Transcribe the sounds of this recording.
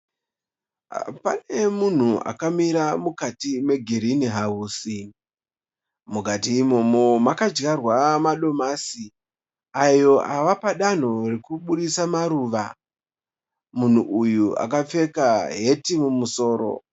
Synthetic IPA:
pane̞mun̤ua̰kamiɾamukatime̞ɡʱeɾiniɦauːsi | mukatiːmo̞mo̞makad͡ʒɡarwamaɗo̞masi | ajo̞ʔaʋapaɗan̤o̞rekuɓuɗisamaɾuːʋa | mun̤uʔujua̰kap͡fe̞kaɦe̞timumuso̞ːɾo̞̰

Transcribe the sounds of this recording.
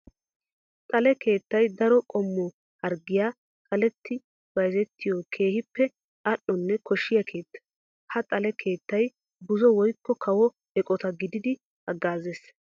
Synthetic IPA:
t̪ʼɐlɛke̞ːt̪ːɐjd̪ɐɾɔkʼɔmːɔ | hɐɾɡɪjaː | kɐlɛt̪ːɪ | bɐjzɛt̪ːɪjɔkʰe̞ːhɪpːɛ | ɐʔːɔnːɛkɔʃːɪjɐkʰe̞ːt̪ːɐ̥ | hɐt̪ʼɐlɛkʰe̞ːt̪ːɐj | bʊzɔwɔjkːɔkʰɐwɔ | ɛkʼɔt̪ɐɡɪd̪ɪd̪ɪ | hɐɡːaːzes

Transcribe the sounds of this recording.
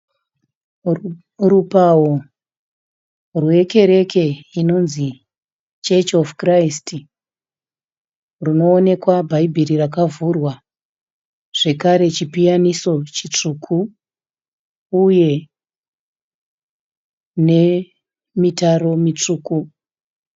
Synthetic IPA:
rupawo | rwe̞ke̞ɾe̞ke̞ino̞nzi | t͡ʃet͡ʃofkraisti | runo̞ːne̞kwabʱaibʱiɾirakavurwa | ʐ̥e̞kaɾe̞t͡ʃipijaniso̞t͡ʃit͡ʂukʰu | je̞ | ne̞ | mitaro̞mit͡ʂuːku

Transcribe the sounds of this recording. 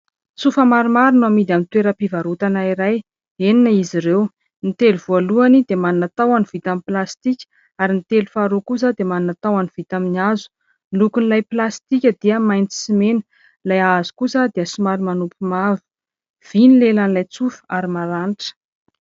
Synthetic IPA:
t͡sufəmaɾimaɾinamid̪amint̪weɾəpivaɾut̪anaiɾaj | eninəiziɾew | nit̪eluvoaluanid̪emaninat̪awanivit̪amiplast̪ikʲ | aɾinit̪elufaɾokus̬əd̪emaninat̪awaniv̥it̪aminazu̥ | lukunilajplast̪ikʲəd̪iəmajnt͡si̥simenə̥ | lajazu̥kusəd̪eəsimaɾimanupumavi̥ | v̥inilelanilajt͡sufə̥aɾimaɾanʈ͡ʂə̥

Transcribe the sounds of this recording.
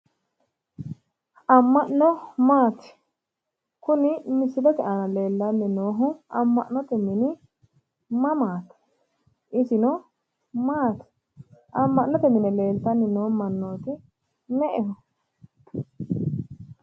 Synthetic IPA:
ɐmːɐʔnɔmaːt̪ɪ̥ | kʊnɪmɪsːɪd̪ɛt̪ɛʔɐnɐle̞ːlːɐnːɪnoːɦʊɐmːɐʔnɔt̪ɛmɪnɪ | mɐmaːt̪ | ʔɪsɪnɔ | maːt̪ɪ̥ | ʔɐmːɐʔnːɔt̪ɛmɪnɛle̞ːlt̪ɐnːɪnoːmɐnːoːt̪ɪ | mɛʔɛhɔ

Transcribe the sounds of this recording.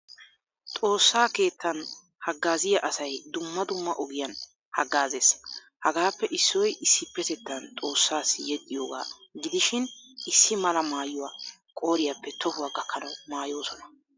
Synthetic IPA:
t̪ʼo̞ːsːaːke̞ːt̪ːɐn | hɐɡːaːzɪjɐʔɐsɐjd̪ʊmːɐd̪ʊmːɐʔɔɡɪjɐn | hɐɡːaːze̞ːs | hɐɡaːpːɛʔɪsːɔjʔɪsːɪpːɛt̪ɛt̪ːɐnt̪ʼo̞ːsːaːsːɪjɛt̪ʼːɪjoːɡa̰ːɡɪd̪ɪʃɪnʔɪsːɪmɐlɐmaːjʊwa | kʼo̞ːɾɪjapːɛt̪ʰɔhʊwaɡɐkʰːɐnɐmaːjo̞ːsɔnɐ

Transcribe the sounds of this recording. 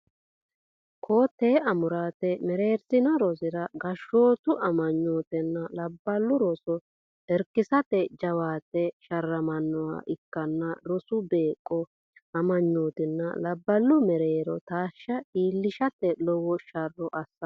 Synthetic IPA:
kʰoːt̪ːeːɐmʊɾaːt̪ɛmɛɾe̞ːɾsɪnɐɾɔzɪɾɐɡɐʃːoːt̪ʊʔɐmɐɲːoːt̪ɛnːɐlɐbːɐlːʊɾɔsɔ | ɛɾkːɪsɐt̪ɛd͡ʒɐwaːt̪ːɛʃɐrːɐmɐnːɔwa̰ːʔɪkːɐnːɐɾɔsʊbe̞ːkʼːɔ | ɐmɐɲːoːt̪ɪnːɐ̰lɐbːɐlːʊmɛɾeːɾɔ̰t̪aːʃːɐiːlːɪʃɐt̪ɛlɔwɔʃɐrːɔʔɐsːɐ

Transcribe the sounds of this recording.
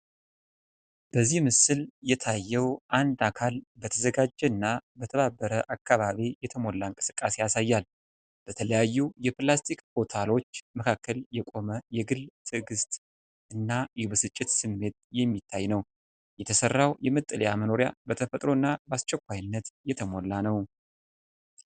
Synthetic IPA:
b̥əzːihmɨsɨljɛt̪ʰajːɛwʔand̪akʰalbət̪ʰəzəɡad͡ʒːɛɨnːabət̪ʰəβabːəɾəʔakːaβaβijɛt̪ʰəmo̞lːaŋkʼɨ̥sɨ̥kʼːase̞jasajːal | b̥ət̪ʰələjajːujɛplast̪ʰikpo̞t̪ʰalo̞t͡ʃːməkʰakʰːəljɛkʼo̞məjɛɡɨlt̪ʰɨɡɨst̪ʼ | ɨnːajɛbəsɨt͡ʃʼːɪt̪sɨmːe̞t̪jɛmːit̪ʰːajnəw | jɛt̪ʰəsərːawjɛmɨt̪ʼːələjaməno̞ɾja̰bət̪ʰəfət̪ʼɾo̞ɨnːabast͡ʃːɛkʷːajnːət̪jɛt̪ʰəmolːanəw

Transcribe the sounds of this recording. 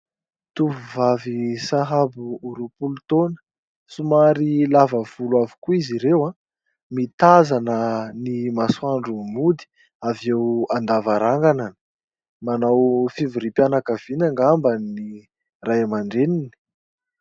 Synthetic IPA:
t̪uvuvavisaɦabuːɾupulut̪onə̥ | sumaɾilavəv̥ulwavukuiziɾewa | mit̪azanənimasuaɳɖ͡ʐumud̪i̥ | avewand̪avaɾaŋɡananə̥ | manawfivuɾipjanakəv̥inaŋɡambanni | rajamaɳɖ͡ʐenini̥

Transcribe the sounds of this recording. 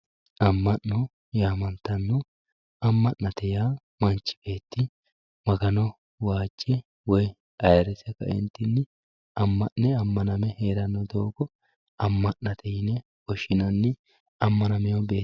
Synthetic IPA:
ʔɐmːɐʔːɔ | jaːmɐnt̪ːɐnːɔ | ɐmːɐʔːɐt̪ɛjaː | mɐnt͡ʃːɪ̥b̥e̞ːt̪ːɪ | mɐɡɐnɔ | waːd͡ʒːɛ | wɔj | ɐjɐɾɛsɛkɐ̰ɪ̰nt̪ːɪnːɪ | ɐmːɐʔnɛɐmːɐnɐmɛheːɾɐnːɔd̪oːɡɔ | ɐmːɐʔːɐt̪ʰɛjɪnɛ | ɔʃɪnɐnːɪ | ɐmːɐnɐmɛjɔbe̞ː

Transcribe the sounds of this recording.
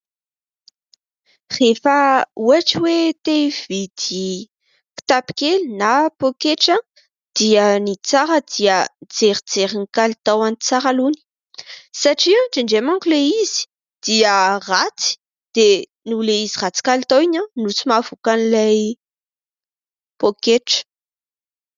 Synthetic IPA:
refəuaʈ͡ʂiwet̪ev̥id̪̥i | ki̥t̪api̥kelinapokeʈ͡ʂa | d̪̥iənit͡saɾəd̪iəd͡zeɾid͡zeɾinikalit̪awanit͡saɾaluni̥ | saʈ͡ʂianʈ͡ʂiɳɖ͡ʐemaŋkuleizi̥ | d̪̥iərat͡si̥ | d̪̥e | nuleizirat͡si̥kalit̪awiɲanut͡simavukanilaj | pokeʈ͡ʂə̥

